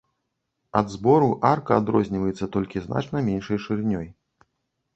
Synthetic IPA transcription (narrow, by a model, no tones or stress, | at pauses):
ɐd̪zbɔɾuʔarkɐːd̪ɾɔzʲnʲivɐjɛt̪sːɐt̪ɔlʲkʲizna̰t͡ʂnɐmʲɛnʲʂɐjʂɨrnʲɔj